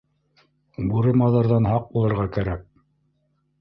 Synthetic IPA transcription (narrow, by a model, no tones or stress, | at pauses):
buɾɤ̆mɑðɑɾðɑnɦɑq̚bulˠɤ̆ɾʁɑkæɾæk̚